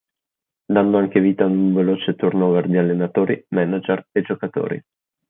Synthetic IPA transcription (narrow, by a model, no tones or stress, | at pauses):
d̪and̪oaŋk̟eviːt̪aːd̪uɱveloːt͡ʃet̪urnoːɡard̪ialːenat̪oːɾimɛnad͡ʒered͡ʒokat̪o̰ːɾḭ